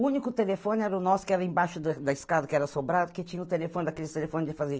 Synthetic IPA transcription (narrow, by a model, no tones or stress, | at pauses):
ũnikʊt̪elefõnɛɾɐʊnɔsʊ̥kɪɛɾɐẽj̃baʃʊd̪ɐd̪ɐiskad̪ɐkɪɛɾɐsobɾad̪ʊkɪt͡ʃĩɲɐʊt̪elefõnɪd̪ɐkelɪst̪elefõnɪd͡ʒ̪ɪfaze